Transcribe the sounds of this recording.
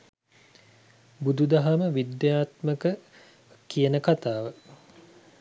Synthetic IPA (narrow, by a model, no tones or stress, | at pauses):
bud̪ud̪aɦaməʋid̪jaːt̪məkə | kijənəkat̪aːʋə